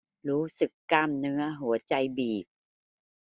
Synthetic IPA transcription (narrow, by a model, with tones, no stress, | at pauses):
ɾuː˦˥sɯ˨˩kːa˧˥˩mnɯ˧˥ɐɦu˩˦ɐt͡ɕa˧jbiː˨˩p̚